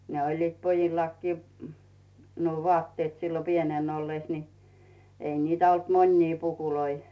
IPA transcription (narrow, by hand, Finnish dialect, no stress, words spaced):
ne olʲliːt pojilːɑkːiː nuo ʋŏɑˑtːeːt silːo pienen olːeˑs ni ei niːtæ olt monʲniː pukuloi